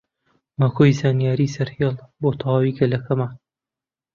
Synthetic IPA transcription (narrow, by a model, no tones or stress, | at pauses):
makʰoːjzaːnijaːɾiːsɐɾheːlˠboːt̪ʰɑwaːwiɡɐlɐkʰɐma